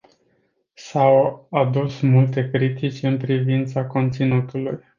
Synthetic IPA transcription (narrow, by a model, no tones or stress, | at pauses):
sawad̪usmult̪e̞kɾit̪it͡ʃʲɨnpɾivint̪sako̞nt̪sinut̪uluj